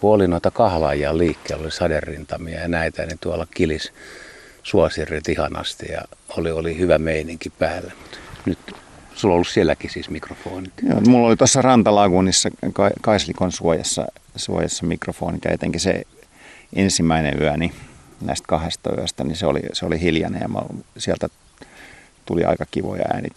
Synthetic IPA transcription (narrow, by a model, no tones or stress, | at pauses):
kuolinoit̪ɑkɑhlɑ̰jɑlliːkːeilolisɑderːint̪ɑmiɑjɑnæit̪ænit̪uɑlɑkilis | suɑsirːet̪ihɑnɑ̰st̪ḭjɑ̰oliolihyʋæmeiniŋkipæːlːemu̥t̪nyt̪sulːolːussielːækisiːsmikrofoːnit̪jo̰ːmulːolit̪osːɑrɑnt̪ɑlɑkunisːɑkɑkɑislikonsuojɑsːɑ̰suojɑsːɑmikrofo̰ːnit̪ɑ̰jet̪eŋkisḛ | ʔensimːæinḛyæninæist̪kɑhest̪ɑy̰æst̪æniseo̰lḭseolihiljɑnḛɑ̰mɑ̰lsiælt̪æ | t̪uliɑ̰ikɑkiʋo̰jɑ̰æ̰ːnḭ